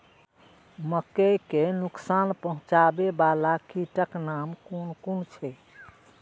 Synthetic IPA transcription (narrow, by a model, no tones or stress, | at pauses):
məkekenuksanpəɦũt͡ʃabebalakiʈəknamkunkunt͡ʃʰɛ